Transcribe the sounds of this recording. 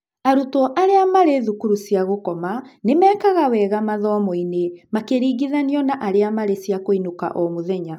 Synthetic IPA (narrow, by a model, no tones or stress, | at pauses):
aɾutɔʔaɾeamaɾeðukuɾusiaɣokɔmanemɛːkaɣawɛːɣamaðɔːmɔinemakeɾiːɣiðaniɔnaʔaɾeamaɾesiakoinoka̰ʔɔmoðɛɲa